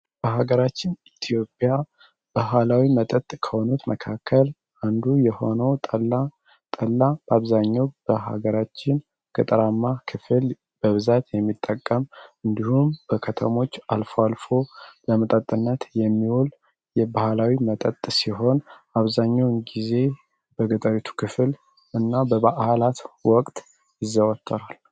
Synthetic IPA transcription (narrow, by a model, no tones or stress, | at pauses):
b̥əɦaɡəɾat͡ʃːɪnit̪ʰijo̞pʼja | b̥aɦalawimət̪ʼət̪ʼkʰəho̞nut̪məkʰakʰːəl | ʔand̪ujɛho̞nəwt̪ʼəla | t̪ʼəlːab̥əaβzaɲːawbəɦa̰ɡəɾat͡ʃːɪn | kʼɨt̪ʼɾamːakʰɨfɨl | b̥əβɨzat̪jɛmːit̪ʼːəkʼːəmɨnd̪ihumb̥əkʰət̪ʰəmo̞t͡ʃːalfəwalfo̞bəmət̪ʼət̪ʼːɨnːət̪jɛmːiwul | jɛbahlawimət̪ʼət̪ʼːsiɦo̞naβzaɲːawnɡize̞ | bəɡət̪ʼəɾit̪ʰu̥kʰɨfl | ɨnːabəβaʔhlat̪wɔkʼt̪ʼ | jɪzːəwɔt̪ʰːəɾal